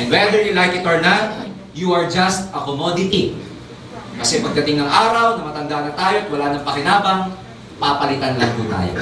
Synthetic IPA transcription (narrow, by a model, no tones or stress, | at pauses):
ʔɛnd̪wɛd̪əɹjulajkɪt̪oɹnat̪̚ | juɐɹd͡ʒɐst̪ɐkomod̪ɪt̪i | kɐsɛpɐɡ̚d̪ɐt̪ɪŋnɐŋʔaːɾɐwnɐmɐt̪ɐŋd̪anɐt̪aːjoɐt̪̚wɐlaːnɐŋpɐkɪnaːbɐŋ | papɐlɪt̪anlɐŋpṵːt̪a̰ːjo̰